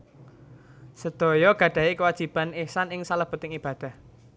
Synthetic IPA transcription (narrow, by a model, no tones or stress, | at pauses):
səd̪̥ɔ̤jɔɡ̥ä̤ɖ̥ä̤ikəwad̥ʒ̥i̤b̥anesanɪŋsaləb̥ə̤t̪ɪŋib̥ä̤d̪̥a̤h